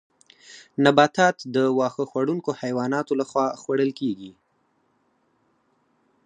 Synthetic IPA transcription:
nabɑt̪ɑt̪d̪əwɑxəxwaɽuŋkohajwɑnɑt̪olaxwɑxwaɽəlkeɡi

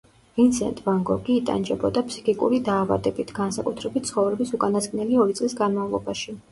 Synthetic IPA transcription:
vint̪sʰɛ̰nt̪ʼvaŋɡɔɡiːt̪ʼa̰nd͡ʒɛbɔd̪apʰsi̥kʰʼikʼṵɾid̪aːva̰d̪ɛbit̪ʰɡ̥ansakʼut̪ʰɾɛbit̪t̪sʰχɔvɾɛbisukʼanasɡnɛliɔɾit̪sʼlisɡanmavlˠɔbaʃi

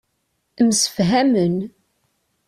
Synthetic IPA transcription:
əmsə̥fɦæmən

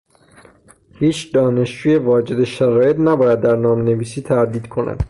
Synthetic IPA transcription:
hiːt͡ʃʰd̪ɒːne̞ʃd͡ʒuːje̞vɒːd͡ʒe̞d̪eʃæɾɒːje̞t̪ʰnæbɒːjæd̪ːæɾnɒːmene̞viːsiːt̪ʰæɾd̪iːd̪kʰo̞næ̰d̪̥

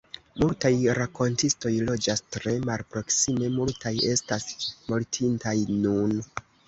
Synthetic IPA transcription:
multajɾakʰo̞ntisto̞jlo̞d͡ʒastɾe̞malpɾo̞ksime̞multaje̞stasmoltʰintajnun

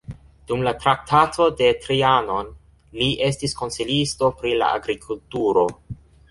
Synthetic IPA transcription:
d̥umlatɾak̚tʰatʰo̞de̞tɾiano̞n | liʔe̞stisko̞nsilisto̞pɾila̰a̰ɡɾikʰultuɾo̞

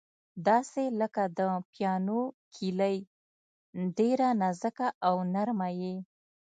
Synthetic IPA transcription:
d̪ɑseləkad̪əpjɑnokʰiləj | ɖeɾanazəkaʔawnaɾmaje

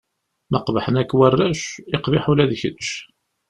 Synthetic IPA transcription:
məqvħənækːwərːæʃɪqvɪħulæðçə̰dʃ

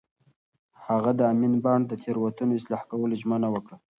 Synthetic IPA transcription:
haɣad̪əaminbɑɳɖd̪ət̪ʰeɾwat̪unoɪslɑhkawəloʒmənawəkɽa

